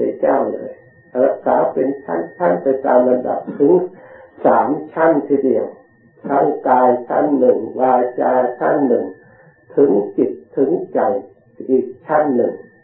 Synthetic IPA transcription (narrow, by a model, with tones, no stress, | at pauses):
a˧˥˩t͡ɕaː˥˩wlɤ̰ː˧j | ɾa˦˥k̚saː˩˦pe˧nt͡ɕʰa̰˥˩nt͡ɕʰa˥˩npa˧jt̪aː˧mʔa˧nda̰˨˩p̚t̪ʰɯ˩˦ŋsaː˩˦mt͡ɕʰa˥˩nt̪ʰi˧˩di˧˩əŋ | t̪ʰa˦˥˩ŋkaː˧jt͡ɕʰa̰˥˩nːɯ˨˩ŋwaː˧t͡ɕaː˧t͡ɕʰa˥˩nːɯ˨˩ŋ | t̪ʰɯ˩˦ŋsi˨˩t̪ʰːɯ˩˦ŋt͡ɕa˨˩j | ʔiː˨˩k̚t͡ɕʰa˥˩nːɯ˨˩ŋ